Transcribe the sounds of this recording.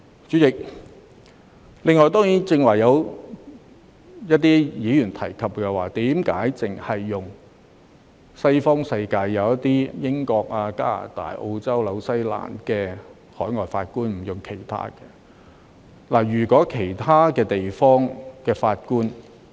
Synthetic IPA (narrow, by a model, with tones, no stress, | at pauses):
t͡ʃyː˨˥jɪ˨k̚ | lɪ˨ŋːɔː˨˩jt̪ɔː˥ŋjiː˨˥nt͡sɪ˧ŋwɐ˨˩jjɐ˨˧w | jɐ˥t̚t̪iː˥jiː˨˥jyː˨˩nt̪ʰɐ˨˩jkʰɐ˨p̚kɛ˧waː˨˩t̪iː˨˥mkaː˨˥jt͡sɪ˨˩ŋhɐ˨jːʊ˨˩ŋ | sɐ˥jfɔː˥ŋsɐ˧jkaː˧jːɐ˨˧wjɐ˥t̪iː˥jɪ˥ŋkɔː˧k̚aː˧ka̰ː˥la̰ː˨˩t̪a̰ː˨˩jʔo˧wt͡sɐ˥wlɐ˨˧wsɐ˥jla̰ː˨˩nkɛː˧ | hɔː˨˥jŋɔː˨jfaː˧t̚kuː˥nm̩˨˩jʊ˨ŋkʰe˨˩jt̪ʰa̰ː˥kɛː˧ | laː˨˩jyː˨˩kʷɔː˨˥kʰe˨˩jt̪ʰaː˥kɛː˧t̪e˨jfɔː˥ŋkɛː˧faː˧t̚kuː˥n